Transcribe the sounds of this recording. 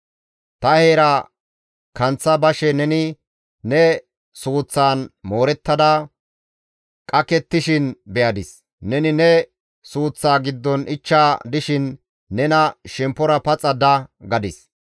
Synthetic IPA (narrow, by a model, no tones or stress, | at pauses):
t̪ɐheːɾa | kɐnt͡sːɐbɐʃɛnɛnɪ | nɛ | suːt͡sːaːnmo̞ːɾɛt̪ːɐd̪ɐ | kʼɐkɛt̪ːɪʃɪnbɛjɐd̪ɪs | nɛnɪnɛ | suːt͡sːaːɡɪd̪ːɔnɪt͡ʃːaːd̪ɪʃɪnː | ɛnɐʃɛmpːɔɾɐpɐt͡sʼɐd̪ɐɡɐd̪ɪs